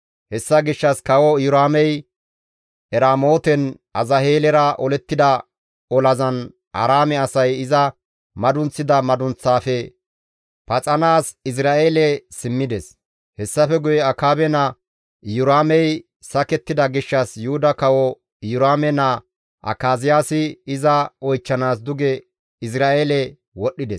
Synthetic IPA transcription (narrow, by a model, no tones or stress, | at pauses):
hɛsːɐɡɪʃːɐskɐwɔjʊɾaːmɛj | ɛɾaːmoːt̪ɛnʔɐzɐheːlɛɾɐʔɔlɛt̪ːɪd̪ɐ | ɔlɐzɐn | ʔɐ̰ɾaːmɛɐsɐjɪzɐ | mɐd̪ʊnt͡sːɪd̪ɐmɐd̪ʊnt͡sːaːfɛ | pɐt͡sʼɐnaːsɪs̬ɾaːeːlɛsɪmːɪd̪ɛs | hɛsːɐfɛɡʊjɛɐkaːbɛnɐ | jʊɾaːmɛj | sɐkɛt̪ːɪd̪ɐɡɪʃːɐsjʊhʊd̪ɐkɐwɔ | jʊɾaːmɛnɐ | ʔɐ̰kaːzɪjaːsɪɪzɐɔjt͡ʃːɐnaːsd̪ʊɡɛ | ɪs̬ɾaːʔeːlɛ | wɔɗːɪd̪ɛs